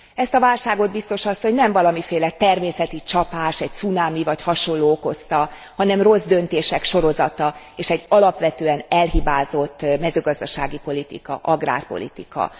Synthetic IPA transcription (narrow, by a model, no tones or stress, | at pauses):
ɛst̪ɒvaːlʃaːɡo̞d̪̚bist̪o̞ʃɒsːo̞ɲnɛɱvɒlɒmifeːlɛt̪ɛrmeːsɛt̪it͡ʃɒpaːʃɛc̚t̪sunaːmivɒchɒʃo̞nlːoːoko̞st̪ɒ | hɒnɛmro̞zd̪ø̞nt̪eːʃɛkʃo̞ɾo̞zɒt̪ɒ | eːʃɛɟːɒlɒpʋɛt̪øːɛnɛlɦibaːzo̞t̪ːmɛzøːɡɒzd̪ɒʃaːɡipo̞lit̪ḭkɒ̰ʔɒɡra̰ːrpo̞̰lḭt̪ḭkɒ̰